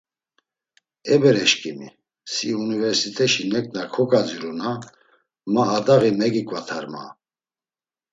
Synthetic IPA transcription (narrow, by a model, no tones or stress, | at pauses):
ɛbɛɾɛʃkʼimi | siunivɛɾsit̪ʰʼɛʃinɛkʼnakʰɔkʼad͡ziɾuna | maːd̪aɣimɛɡikʼvat̪ʰaɾma̰